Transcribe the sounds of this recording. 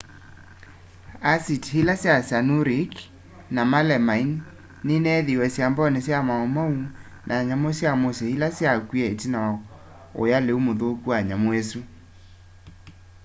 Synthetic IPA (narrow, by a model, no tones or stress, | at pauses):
asithilasjasanuɾik | namalɛmain | nenɛðiwɛsjambɔnesjamaomau | nʔaɲamosjamosɛhilasjakwiɛetina | o̰jaleumoðokuaɲamoɛsu